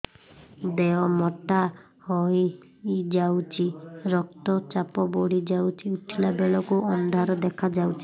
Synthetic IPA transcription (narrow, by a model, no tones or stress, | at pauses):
d̪eɔmɔʈa | hɔj | d͡ʒawt͡ʃʰiɾɔk̚t̪ɔt͡ʃapɔbɔɽid͡ʒawt͡ʃʰiuʈʰilabeɭɔkuʔɔnd̪ʱaɾɔd̪ekʰad͡ʒawt͡ʃʰi